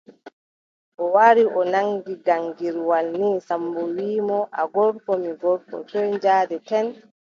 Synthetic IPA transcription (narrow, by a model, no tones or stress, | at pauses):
ʔɔwaɾiʔɔnaŋɡiɡaŋɡiɾwalniːsambɔwiːmɔʔaɡɔɾkɔmiɡɔɾkɔ̰tɔɲd͡ʒaːdɛtɛn